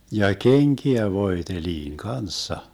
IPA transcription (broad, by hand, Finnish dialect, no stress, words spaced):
jɑ keŋkiæ ʋoeteliːŋ kɑnsːɑ